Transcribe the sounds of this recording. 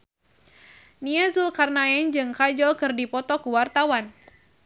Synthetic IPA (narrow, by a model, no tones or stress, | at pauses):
niɛzulkarnaɛnd͡ʒɨŋkad͡ʒɔlkɨrdipɔt̪ɔkuwart̪awan